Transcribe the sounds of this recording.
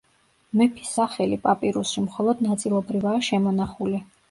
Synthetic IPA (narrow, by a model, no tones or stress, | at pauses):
mɛpʰi̥sːaχɛlipʼapʼiɾusimχɔlˠɔd̪nat̪sʼilˠɔbɾivaːʃɛmɔnaχuli